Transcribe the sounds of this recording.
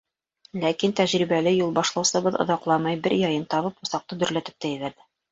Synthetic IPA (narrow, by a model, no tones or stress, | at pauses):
lækint̪æʑɾibælɘjulˠbɑʃlˠɑwsɤ̆bɤðŏ̰ðɑqlˠɑmɑjbɘɾjɒjɤnt̪ɒβɤpŭsɑq̚t̪ɤd̪ɵ̆ɾlæt̪ɘ̥p̚t̪æjɘβæɾðɘ